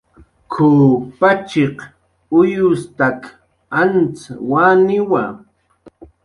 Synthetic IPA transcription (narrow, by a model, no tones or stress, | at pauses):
kʰopat͡ʃeq | ʊjʊst̪ak | ant͡sawanɪwa